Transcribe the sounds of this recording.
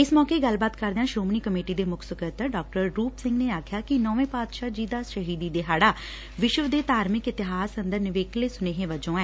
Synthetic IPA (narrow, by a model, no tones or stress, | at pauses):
ɪsmɔːkeːɡəlbaːt̪kəɾd̪ejãːʃɾoːmniːkəmeːʈiːd̪eːmʊksəkət̪əɖɔːk̚ʈəɾɾuːpsɪ̃ŋɡneːaːkʰjaːkɪnɔːʋẽːpaːd̪ʃaːd͡ʒiːd̪aːʃəɦiːd̪iːd̪eːɦaːɽaː | ʋɪʃʋd̪eːt̪aːɾmɪkɪt̪ɪɦaːsənd̪əɾnɪʋeːkleːsʊneːɦẽːʋəd͡ʒõːɛː